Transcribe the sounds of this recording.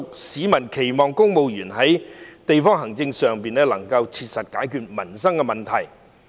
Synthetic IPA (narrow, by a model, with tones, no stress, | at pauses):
k̚siː˨˥mɐ˨˩nkʰe˨˩jmɔː˨˩ŋkʊ˥ŋmo˨˧wjyː˨˩nɦɐ˨˥jt̪e˨jfɔː˥ŋɦɐ˨˩ŋt͡sɪ˧ŋsœː˨ŋpiː˨nɛː˥lɐ˨˩ŋkɐ˧wt͡sʰiː˧t̚sɐ˨t̚kaː˨˥jkʰyː˨t̚mɐ˨˩nsɐ˥ŋkɛ˧mɐ˨nt̪ʰɐ˨˩j